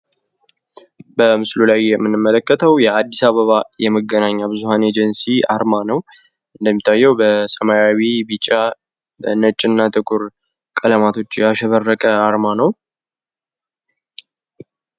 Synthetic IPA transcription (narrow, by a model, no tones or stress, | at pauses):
bəmɨslulajɛmːɨnːɨmːələkːət̪ʰəwjɛad̪ːisaβəβajɛməɡːənaɲːabɨzuhane̞d͡ʒɛnsia̰ɾmanəw | ʔɨnd̪əmːit̪ʰːajːɛwbəsəmajawibit͡ʃʼːa | bənət͡ʃʼɪnːat̪ʼɨkʼʊɾ | kʼələmat̪ʰo̞t͡ʃːjɛaʃɛβərːəkʼəaɾmanəw